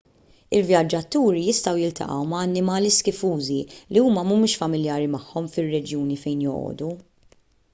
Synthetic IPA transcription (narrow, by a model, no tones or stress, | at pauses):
ɪlvjɐd͡ʒːɐt̪uːɾijɪst̪ɐwjɪlt̪ɐ̰ʔɐ̰wmɐːnːɪmɐːliskɪfuːziliuːmɐmumɪːʃfɐmɪljɐːɾimɐħːɔmfɪrːɛd͡ʒjuːnifɛjnjɔʔɔ̰ːd̪u